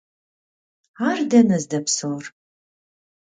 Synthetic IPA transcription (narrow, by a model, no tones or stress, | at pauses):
aːrdɐnɐzdɐpsowr